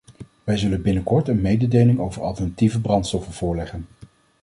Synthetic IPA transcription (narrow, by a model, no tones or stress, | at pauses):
ʋɛjzɵlənbɪnəkɔɹtənmejdədejlɪŋowvəɹʔɑ̰lˠtəɹnativəbrɑntstɔfənv̥ʊːɹlɛχən